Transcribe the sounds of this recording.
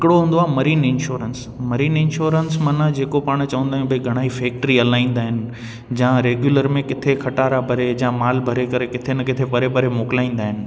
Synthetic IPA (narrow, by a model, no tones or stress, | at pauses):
ɦɪkɪɽoɦũːnd̪oaːɦmɐɾiːnɪ̃nʃoːɾəns | mɐɾiːnɪ̃nʃoːɾənsmɐ̃nãd͡ʑeːkopaːɽ̃t͡ɕɐʋə̃nd̪aːɦɪ̃ñbʱɐiɡʱɐɽ̃aːɦifeːk̚ʈɾiɐlaːĩːn̆d̪aːɦɪnɪ̆ | d͡ʑãːɾeːɡjuːləɾmẽkɪt̪ʰekʰɐʈaːɾabʱɐɾed͡ʑãːmaːlbʱɐɾekɐɾekɪt̪ʰenɪkɪt̪ʰepɐɾepɐɾemoːkɪlaːĩːn̆d̪aːɦɪnɪ̆